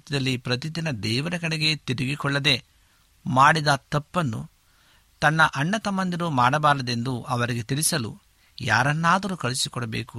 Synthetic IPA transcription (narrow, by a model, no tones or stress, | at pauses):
t̪id̪ɐlːipɾɐt̪id̪inɐd̪ɛːʋɐɾɐkɐɽeɡe̞t̪iɾiɡikɔɭːɐd̪e̞ | maːɽid̪ɐt̪ɐpːɐnːṵ | t̪ɐnːɐʔɐɳːɐt̪ɐmɐnd̪iɾumaːɽɐbaːɾɐd̪e̞nd̪uʔɐʋɐɾiɡet̪iɭisɐlṵ | ja̰ːɾɐnːaːd̪ɐɾukɐɭisikɔɽɐbḛːku